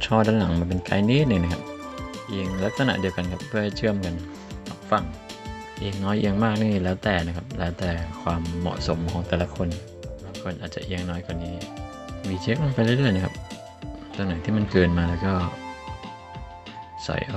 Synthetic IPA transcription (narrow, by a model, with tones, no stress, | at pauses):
t͡ɕʰɔː˥˩daː˦˥nla˩˦ŋmaː˧npe˧nka̰ː˧jni˦˥t̪̚nɯ˧˩na˦˥kʰa˦p̚ | ʔi˧ŋla˦˥k̪̚sa˧na̰˧ʔdi˧əwka˧nkʰa˦˥p̚ʰːɯ˥əha˥˩jt͡ɕʰɯ˥˩əmka˧n | hɔ̰ː˨˩k̚fa˧ŋ | ʔeː˧ŋnɔː˦˥jʔi˧ŋmaː˥˩k̚niː˧˩lɛː˦˥wt̪ɛː˨˩na˦kʰa˦˥p̚lɛː˦˥wt̪ɛː˨˩kʰwaː˧mːɔ̰˨˩ʔso˨˩˦mkʰɔː˩˦ŋt̪ɛː˨˩la˧˥kʰo˧n | baː˧˩ŋkʰo˧nʔaː˨˩t̪̚t͡ɕa̰˨ʔiː˧əŋnɔː˦˥jkwaː˨˩niː˦˥ | miː˧˩t͡ɕʰeː˦˥k̚a˧ŋpa˧jlaː˥˧˩lɯ˥˩əjna˦˥kʰa̰˦˥p̚ | t̪u˧naː˨˦t̪ʰiː˥˩ma˧˥˨nkɤː˧nmaː˧lɛː˦˥wkɔː˥˩ | sɔ̰˨˦jʔ